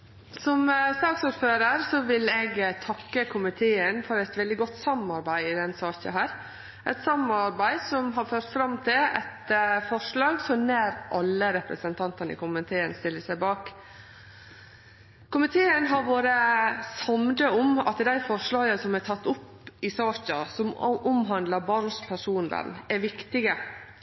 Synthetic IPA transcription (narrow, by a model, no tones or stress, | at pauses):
sɔmst̪ɑːksuːɾføːɾəɾsɔʋɪlɛɡt̪ʰɑkːəkʰʊmɪt̪ʰeːənfɔɾɛt̪ʋɛld̪ɪɡɔt̪ːsɑmɑɾbæɪɪd̪ɛnsɑːçə̰ɦæːɾ | ʔɛ̰t̪sɑmɑɾbæɪsɔmɦɑɾføːɾt̪fɾɑmːt̪ʰɪlɛ̰t̪fɔʂlɑːɡsɔnæːɾʔɑlːəɾɛpɾə̰sənt̪ʰɑnt̪ɑnəɪ̰kʊmɪt̪ʰeːənst̪ɪlːəsæɪbɑːk | kʰʊmɪt̪ʰeːənɦɑɾʋoːɾəsɑmd̪əɔmɑ̰t̪d̪æɪfɔʂɭɑːɡəsɔmæt̪ʰɑt̪ːʊpː | ɪsɑːçəsɔmʔʊmɦɑnd̪lɑbɑnspʰæʂuːnd̪ə̰nɛʋɪkt̪ɪɡə